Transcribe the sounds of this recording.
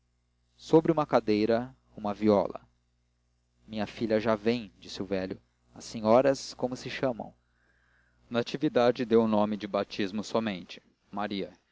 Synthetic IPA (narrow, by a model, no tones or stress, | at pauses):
sobɾɪũmɐkad̪ejɾɐ | ũmɐviɔ̰lɐ̰ | mĩɲɐfiʎɐʒavẽj̃d͡ʒisɪʊvɛʎʊ | ɐsːeɲɔɾɐskõmʊsɪʃɐ̃mɐ̰̃w̃ | nat͡ʃivid̪ad͡ʒɪd̪ewnõmɪd͡ʒɪbat͡ʃizmʊsɔmẽnt͡ʃɪ̥ | maɾiɐ